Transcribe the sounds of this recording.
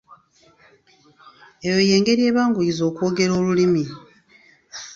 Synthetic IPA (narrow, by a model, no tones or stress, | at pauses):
ejo̞je̞ːŋɡe̞ɾie̞ːβaːŋɡujizo̞ːkwoːɡe̞ɾoːlulimi